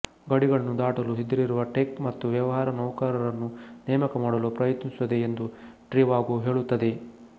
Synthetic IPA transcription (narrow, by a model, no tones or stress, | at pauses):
ɡɐɽiɡɐɭɐnːud̪aːʈɐluɦid̪ːɐɾiɾuʋɐʈekmɐt̪ːuʋjɐʋɐɦaːɾɐnɐːkaːɾɐɾɐnːunɛːmɐkɐmaːɽɐlupɾɐjɐt̪nisuʋɐd̪e̞ːnd̪uʈɾiʋaːɡuɦe̞ːɭut̪ːɐd̪e̞